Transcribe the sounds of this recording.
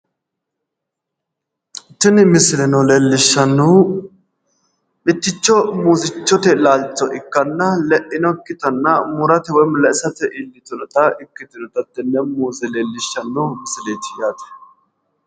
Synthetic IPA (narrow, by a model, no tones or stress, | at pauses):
tːɪnmɪsɪlɛnɔleːlːɪʃːɐnːu | mɪt̪ːɪt͡ʃːɔmuːzɪt͡ʃːɔt̪ɛlaːlt͡ʃːɔʔɪkːɐnːɐlɛʔɪnɔkːɪt̪ɐnːɐmʊɾɐt̪ɛwɔjmʊlːɐɪsɐt̪ɛʔɪlːɪt̪ʊnɔt̪ɐɪkːɪt̪ʊnɔt̪ɐd̪ɛnːɛmuːzɛleːlːɪʃːɐnːumɪsɪleːt̪ɪ̥jaːt̪ɛ̥